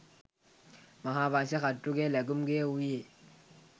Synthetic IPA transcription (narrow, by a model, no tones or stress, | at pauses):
maɦaβanʃɛxatʼuk̬ɛlak̬um̩kewuje